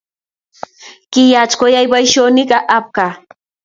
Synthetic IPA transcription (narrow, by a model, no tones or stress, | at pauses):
kɪjat͡ʃkojajwajʃonɪkaʔap̚ka